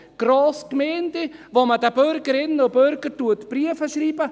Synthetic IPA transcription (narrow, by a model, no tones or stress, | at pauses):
ɡ̥roːskmɛːndevomədəbøɾɡəɾɪnʊbøɾɡəɾtuətb̥riəfəʃriːbə